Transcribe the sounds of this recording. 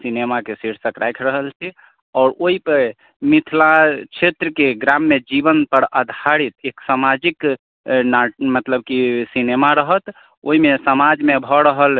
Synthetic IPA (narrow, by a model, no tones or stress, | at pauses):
sinemakesiɾsəkɾajkʰɾəɦəlt͡ʃʰi | ɔːɾoipəɾ | mit̪ʰlat͡ʃʰet̪ɾəkeɡɾamːed͡ʒibənpəɾəd̪ʱaɽit̪eksamad͡ʒik | namət̪ləb̚kisinemaɾəɦət̪ | o̰imesəmad͡ʒmebʱɔɾəɦəl